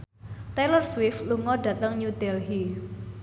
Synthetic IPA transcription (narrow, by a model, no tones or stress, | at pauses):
t̪ɛlərswɪfluŋɔɖ̥ä̤t̪əŋɲud̪̥ɛlɦi